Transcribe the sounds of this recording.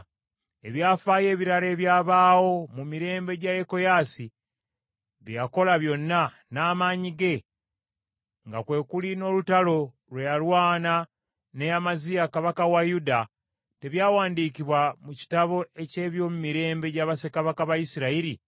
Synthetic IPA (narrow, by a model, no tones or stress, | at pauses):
e̞βjaːfaje̞ːβiɾale̞ːβjaːβaːwo̞mumiɾe̞ːmbe̞ɟajeko̞jaːsi | βijako̞laβjo̞nːa | naːmaːɲiɡe̞ | ŋɡakwe̞ːkulino̞ːlutalo̞ | lwejalwaːna | ne̞jamazijakaβakawajuda | te̞βjaːwaːndikiβwamuci̥taβo̞e̞ce̞ːβjo̞ːmumiɾe̞ːmbe̞ɟaβase̞kaβakaβajisiɾaiɾi